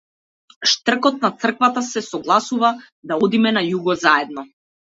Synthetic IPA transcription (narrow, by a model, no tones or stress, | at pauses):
ʃt̪r̩kɔt̪̚nat̪sr̩kvat̪asɛsɔɡlˠasuva | d̪aɔd̪imɛnajuɡɔzaɛd̪nɔ